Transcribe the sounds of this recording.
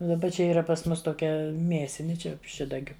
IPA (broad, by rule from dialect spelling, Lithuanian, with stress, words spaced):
ʊ dɐˈbɐ ˈt͡ʃʲɛ ˈiːrɐ pɐs ˈmʊs toːˈkʲɛ ˈmʲiɛsʲɪnʲɪ ˈt͡ʃʲɛ ˈʃʲɪdɐɡʲʊ